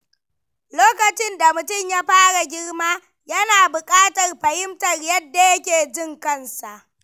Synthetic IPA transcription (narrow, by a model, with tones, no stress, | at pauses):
loː˦kɐ˨t͡ʃɪ˦nda˨mʊ˨tʊ˦˨mjaː˦ɸaː˦ɽa˨ɡʲɪ˦rmaː˦ | jɐ˦naː˨bʊ˨kʼaː˦tɐ˨rɸɐ˨hɪ˦mtɐ˨rjɐ˦dːa˨jɐ˦kʲeː˨d͡ʒɪ˦ŋkɐ˦nsa˨ʔ